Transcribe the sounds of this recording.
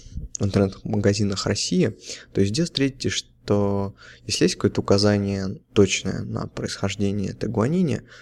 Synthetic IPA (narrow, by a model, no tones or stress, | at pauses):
vɨnt̪ərnɛt̪məɡɐzʲinəxrɐsʲːijɪt̪o̞ɪsʲzʲdʲest̪ɾʲetʲɪtʲɪʂt̪ojesʲlɪjesʲt̚ʲkɐko̞jət̪əʊkɐzanʲɪjət̪ot͡ɕnə̰jə̰nə̰pɾəɪsxɐʐdʲenʲɪjə̰t̪əɡʊɐnʲenʲɪjə̰